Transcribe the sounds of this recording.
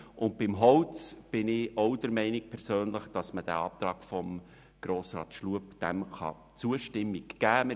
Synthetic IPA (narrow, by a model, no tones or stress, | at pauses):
ʔʊntbɪmɦɔwt͡sb̥ɪnɪowd̥əɾmɛɪnik̚pʰɛɾsøːnləχd̥ɑsməd̥æ̰ɑːp̚t̪ɾɑːɡfɔm | ɡ̥ɾoːsrɑ̰ːt̪ʃluəpd̥ɛmχɑ̰ | t͡suəʃtɪmːikɡ̥æːmə